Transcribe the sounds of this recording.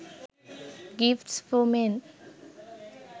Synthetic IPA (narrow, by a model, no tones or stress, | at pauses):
ɡifʈsfɔmen